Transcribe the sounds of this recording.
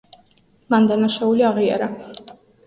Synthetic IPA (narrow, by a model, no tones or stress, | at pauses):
mand̪anaʃauliaʁia̰ɾa